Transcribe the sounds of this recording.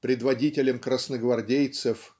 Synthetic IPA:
pɾʲɪd̪vɐdʲitʲɪlʲəmkɾəsnəɡvɐrdʲejt̪sɨf

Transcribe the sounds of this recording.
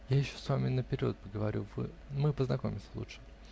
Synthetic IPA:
jajɪɕːosvamʲɪnəpʲɪɾʲo̞̰t̪̚pəɡəvɐɾʲṵvɨ̰ | mɨpəznɐkomʲɪsʲə̥lˠṵtʂɨ̥

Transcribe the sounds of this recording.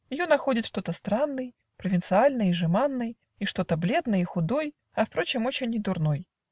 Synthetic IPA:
jɪjonɐxo̞dʲɪt̪ʂt̪o̞t̪əst̪ɾanːɨj | pɾəvʲɪnt̪sɨalʲnɨjiʐɨmanːɨj | iʂt̪o̞t̪əblʲe̞d̪nəjixʊd̪o̞j | ɐfpɾo̞t͡ɕɪmo̞t͡ɕɪnʲɪd̪ʊrno̞j

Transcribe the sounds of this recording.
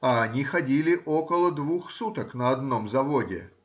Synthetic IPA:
aɐnʲixɐdʲilʲɪʔo̞kəlˠəd̪vuxsut̪əknəɐd̪no̞mzɐvodʲɪ̰

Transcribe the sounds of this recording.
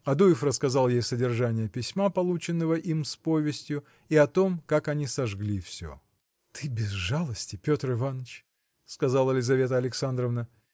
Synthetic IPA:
ɐd̪ujɪfrəskɐzɑlˠjejsədʲɪrʐanʲɪjəpʲɪsʲmapɐlˠut͡ɕɪnːəvəʔimspo̞vʲɪsʲtʲjʊ | iɐt̪o̞mkakɐnʲisɐʐɡlʲifsʲo̰ | t̪ʰɨbʲɪzʐalˠəsʲtʲɪpʲot̪rɨvanət͡ɕ | skɐzalˠɐlʲɪzɐvʲe̞t̪əɐlʲɪksand̪ɾəvnə

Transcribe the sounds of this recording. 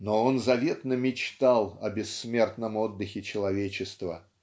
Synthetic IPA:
noonzɐvʲe̞t̪nəmʲɪt͡ɕt̪alˠɐbʲɪsːmʲert̪nəmo̞d̪ːɨxʲɪt͡ɕɪlˠɐvʲet͡ɕɪst̪və̰

